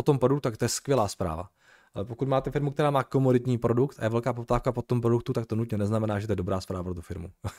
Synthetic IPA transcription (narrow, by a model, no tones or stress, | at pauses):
pot̪o̞mpɾodukt̪ut̪ak̚t̪ojɛskʋjɛlaːspɾa̰ːva̰ | alɛpokut̪maːt̪ɛfɪɾmuk̚t̪ɛɾaːmaːko̞modɪt̪ɲiːpɾo̞dukt̪ʔajɛvɛlkaːpop̚t̪aːfkapot̪ːomp̬ɾo̞dukt̪ut̪ak̚t̪onut̪ɲɛnɛznamɛnaːʒɛt̪ojɛdobɾʔaːspɾaːvapɾot̪ufɪɾmṵ